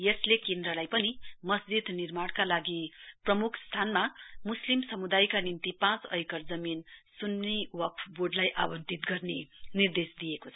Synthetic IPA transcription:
jʌslekend̪rʌlajpʌnimʌsd͡zid̪nirmaɽkalaɡiprʌmukʰst̪ʰanmamuslimsʌmud̪ajkanint̪ipãt͡sʌ̰jkʌrd͡zʌminsunːewʌpʰboɖlajʔa̰wʌnt̪it̪ɡʌrnenird̪esd̪ijekot͡sʰʌ

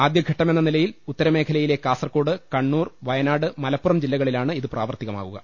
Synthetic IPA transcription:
aːd̪jɐɡʱɐʈːɐme̞nːɐnilɐjilut̪ːɐɾɐme̞ːkʰɐlɐjile̞kaːsɐrko̞ːɽɨkɐɳːuːrʋɐjɐnaːɽɨmɐlɐpːurɐmd͡ʑilːɐɣɐɭilaːɳɨiðɨpraːʋɐrt̪iɣɐma̰ːɣuɣɐ̰

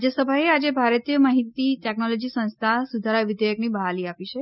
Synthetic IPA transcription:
d͡ʒesəbʱaɦead͡ʒebʱaɾət̪ijəmaɦit̪iʈɛknolod͡ʒisə̃nst̪ʰasud̪ʱaɾaʋɪd̪əjəknibəɦaliapit͡ʃʰe

